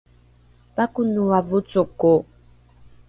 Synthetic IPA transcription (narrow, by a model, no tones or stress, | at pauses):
bakunuwavut͡soko